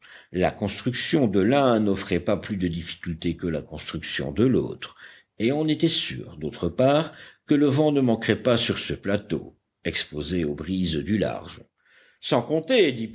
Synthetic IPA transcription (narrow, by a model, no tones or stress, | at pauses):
la̰kɔ̃st̪χyksjɔ̃d̪əlɛ̃nɔfχɛpaplyd̪əd̪ifi̥kʲylt̪ekəlakɔ̃st̪χyksjɔ̰̃d̪əlo̰ːt̪χ | eɑ̃net̪ɛsy̰ːʁd̪ot̪χəpaʁkələvɑ̃nəmɑ̃kχɛpasyʁsəplat̪o̰ | ɛkspozeobʁizd̪yla̰ʁʒ | sɑ̃kɔ̃t̪ed̪i